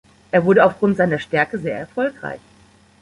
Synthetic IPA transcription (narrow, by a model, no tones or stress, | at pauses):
ʔeːɐvʊɐɾəaʊfɡ̥ʁʊntz̥aɪnɐʃtɛɐkəzeːɐɛɐfɔlkʁ̥a̰ɪç